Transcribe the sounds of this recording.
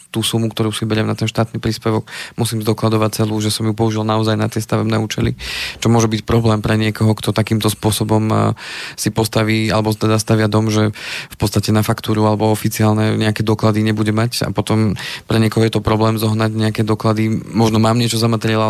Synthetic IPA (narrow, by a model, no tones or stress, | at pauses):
t̪uːsumukt̪ɔɾuːsibɛɾɪɛmnat̪ɛnʃt̪aːt̪nipɾiːspɛʋɔɡ̥musiːmzd̪ɔklad̪ɔʋac̚t͡sɛluːʒɛsɔmjupɔuʒilnaɔzajnat̪ɪɛst̪aʋɛbnɛːuːt͡ʃɛlḭt͡ʃɔmʊɔʒɛbicpɾɔblɛːmpɾɛɲɪɛkɔɦɔkt̪ɔt̪akiːmt̪ɔspʊɔsɔbɔm | sipɔst̪aʋiːa̰lɛbɔt̪ɛd̪ast̪aʋɪad̪ɔmʒɛfpɔt̪t͡sst̪acɛnafakt̪uːɾualɛbɔɔfit͡siaːlnɛɲɛakɛd̪ɔklad̪iɲɛbuɟɛmaca̰pɔt̪ɔmpɾɛɲɪɛkɔɦɔjɛt̪ɔpɾɔblɛːmzɔɦnaɟɲɛakɛd̪ɔklad̪imɔʒnɔmaːmɲɪɛt͡ʃɔzamat̪ɾɪɛla